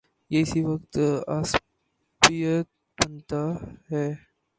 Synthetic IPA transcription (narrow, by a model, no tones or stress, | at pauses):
jeɪsiʋɐkt̪as | pijət̪̚ | bənt̪aɦɛː